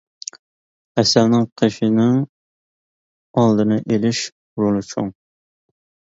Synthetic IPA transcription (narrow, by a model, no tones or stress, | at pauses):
ɛsælnɪŋqʰeʃinɪŋ | ɑlˠd̪ɨnɨʔelɪʃ | uɾulˠɨt͡ʃʰuŋ